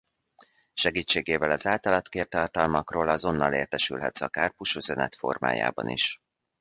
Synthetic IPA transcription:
ʃɛɡiːt͡ʃːeːɡeːvɛlɒzaːlt̪ɒlɒt̪keːrt̪ɒrt̪ɒlmɒkroːlɒzo̞nːɒleːrt̪ɛʃy̰lɦɛt̪sɒkaːrpuʃyzɛnɛt̪fo̞̰rma̰ːja̰ːbɒ̰nḭʃ

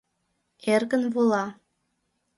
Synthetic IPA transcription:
erɣənβulɑ

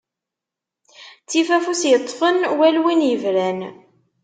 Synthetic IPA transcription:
t͡sːifæfusjət̪ˤːfənwælwinjəvɾæn

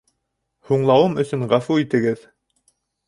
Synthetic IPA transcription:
huɴlˠɑwɤmɵ̆sɵɴʁæfuit̪ɘ̆ɡɘð

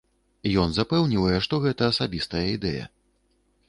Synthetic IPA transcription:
ijɔnzapɛwnʲivɐjɛʂt̪ɔɣɛt̪ɐːsabʲist̪ɐjɐid̪ɛjɐ̰

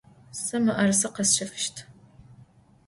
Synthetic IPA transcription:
sɐmɨʔɐrsɨqɐsʃɐfɨʃtʰ

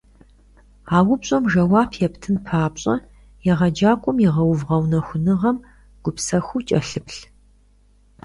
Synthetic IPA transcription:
aːwʊpɕʼɐmʒɐwaːpʰjɛptʰɨnpʰaːpɕʼɐ̰ | jɛʁɐd͡ʒaːkʷʼʊmjiʁɐwʊvʁɐwnɐxʷʊnɨʁɐm | ɡ̥ʷʊpsɐxʷut͡ʃʼɐɬɨpɬ

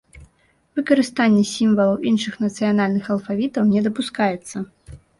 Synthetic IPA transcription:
vɨkɐɾɨst̪anʲːɛsʲimvɐlˠɐwʔinʂɨxnɐt̪sɨjanalʲnɨxɐlˠfavʲit̪ɐwnʲɛd̪ɐpuskajɛt̪sːɐ

